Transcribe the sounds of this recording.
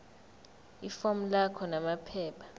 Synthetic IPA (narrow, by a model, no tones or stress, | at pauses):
ifɔm̩lakʰɔnamapʰɛːpʰḁ